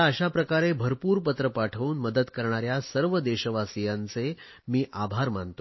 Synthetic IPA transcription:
aəɕapɾəkaɾebʱəɾpuːɾpət̪ɾəpaʈʰəuːnməd̪əd̪kəɾɳ̃aɾjasəɾʋəd̪eɕəʋasijãnt͡se | miːʔabʱaɾmant̪o

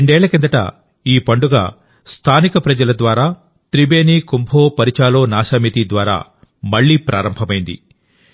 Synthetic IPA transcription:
eɳɖɛːɭɐkind̪ɐʈɐ̰ | iːpɐɳɖuɡa̰ː | st̪ʰaːnikɐpɾɐd͡ʒɐlɐd̪ʋaːɾaː | t̪ɾibeːniːkumbʱoːpɐɾit͡ʃaːloːnaːʃaːmit̪id̪ʋaːɾa̰ː | mɐɭːiːpɾʔaːɾɐmbʱɐmɐjind̪ḭ

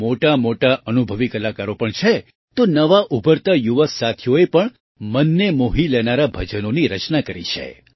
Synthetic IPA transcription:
moʈamoʈaʔənubʱəʋikəlakaɾopəɳt͡ʃʰe | t̪onəʋaʔubʱəɾt̪ajuʋəsat̪ʰjoepəɳ | mənːemoɦilɛnaɾabʱəd͡ʒənoniɾət͡ʃnakəɾḭt͡ʃʰḛ

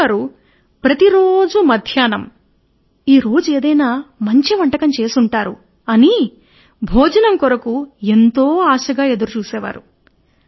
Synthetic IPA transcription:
aːɾu | pɾɐt̪iɾoːd͡ʒumɐd̪ʱjaːnɐm | iːɾo̞ːd͡ʒue̞ːd̪ɐjnaːmɐɲt͡ʃiʋɐɳʈɐkɐmt͡ʃe̞ːsuɳʈaːɾu | ɐni | bʱoːd͡ʒɐnɐmkɔɾɐkue̞nt̪o̞ːaːʃɐɡaːe̞d̪ɐɾut͡ʃuːsɛːʋa̰ːɾu

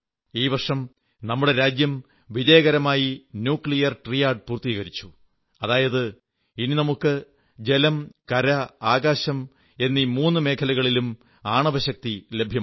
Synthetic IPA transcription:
iːʋɐrʂɐm | nɐmːuɽe̞ɾaːd͡ʑjɐm | ʋiðejɐɣɐɾɐmaːjinjuːkɭijɐrʈrijaːɖ̚puːrt̪iːɣɐɾit͡ɕːu̥ | ɐðaːjɐðɨ | ininɐmukːɨ | d͡ʑe̞lɐmkɐɾɐaːɣaːɕɐm | e̞nːimuːnːɨme̞ːkʰɐlɐɣɐɭilum | aːɳɐʋɐɕɐk̚t̪ile̞bʱjɐ

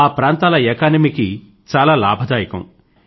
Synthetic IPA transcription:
aːpɾaːnt̪aːlɐɛːkaːnɐmiki | t͡ʃaːlaːlaːbʱɐd̪aːjɐkɐ̰m

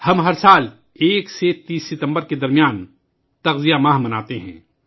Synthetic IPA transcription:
hɐmɦɐɾsaːl | eːkset̪iːsːɪt̪ə̃mbəɾked̪ɐɾmijaːn | t̪ɐɣzijamaːɦmɐnaːt̪eɦɛ̰̃ː

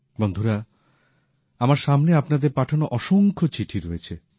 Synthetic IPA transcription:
bond̪ʱuɾa | amaɾʃamneapnad̪eɾpaʈʰonoʔɔʃoŋkʰot͡ɕiʈʰiɾoet͡ɕʰe

